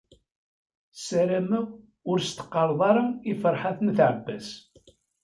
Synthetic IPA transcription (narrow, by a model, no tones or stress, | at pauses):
sæɾæmæ | ʊɾst̪ə̥qːɑɾˤðˤɑɾˤɑifəɾˤħaθənθʕəbːæs